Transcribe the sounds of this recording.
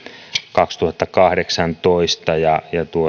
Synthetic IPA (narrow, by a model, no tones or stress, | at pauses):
kɑkst̪uhɑt̪ːɑkɑhdeksɑnt̪oist̪ɑjɑjɑt̪uo